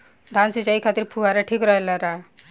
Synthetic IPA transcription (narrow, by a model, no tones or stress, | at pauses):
d̪ʱansit͡ʃaikʰat̪iɾpʰuɦaɾaʈʰikɾʌɦelaɾa